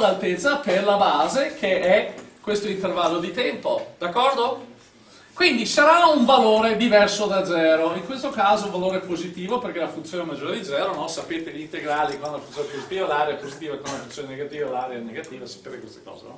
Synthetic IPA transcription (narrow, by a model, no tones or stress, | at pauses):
lalt̪et̪sːaperlabaːzekʰeɛkːwest̪oint̪ervalːod̪it̪ɛmpod̪̥akːɔrd̪o | kwind̪isaɾauɱvaloːɾed̪ivɛrsod̪ad̪zɛːɾoiŋkwest̪okaːzouɱvaloːɾepozit̪iːvoperkelafunt̪sjoːnemad͡ʒːoːɾed̪id̪zɛːɾonɔsapeːt̪eʎint̪eɡɾaːlikwanlafunjonepozit̪iːvalaːɾeepozit̪iːvakonunlafunt̪sjoneneɡat̪iːvalaːɾeaneɡat̪iːvasḁpeːt̪ekwest̪e̥kɔ̰ːzḛnɔ̰